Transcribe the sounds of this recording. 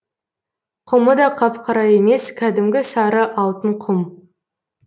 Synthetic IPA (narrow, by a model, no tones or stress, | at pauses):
qʰʊməd̪ɑqʰɑpqʰɑɾɑje̞me̞skʲʰæd̪ɪmɡʲɪsɑɾəʔɑlˠt̪əɴqʰʊm